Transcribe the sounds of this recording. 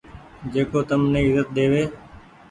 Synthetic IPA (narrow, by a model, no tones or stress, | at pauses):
d͡ʒeːkoːt̪əmneːɪzət̪̚ɗ̪eːʋeː